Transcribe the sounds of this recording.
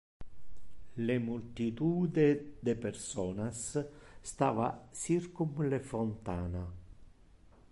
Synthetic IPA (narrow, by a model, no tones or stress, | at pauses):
lemult̪it̪uːd̪ed̪epersɔːnasː | t̪aːvasirkumlefont̪aːna